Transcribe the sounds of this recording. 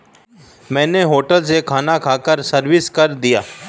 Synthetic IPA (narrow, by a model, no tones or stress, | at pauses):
mɛ̃ːneɦoːʈəls̬ekʰaːnakʰaːkəɾsɐɾʋɪskɐɾd̪ijaː